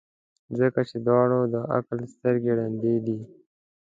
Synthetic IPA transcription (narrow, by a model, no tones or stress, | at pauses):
zəkat͡ʃed̪wɑːɽod̪əʔa̰klst̪əɾɡeɽand̪ed̪i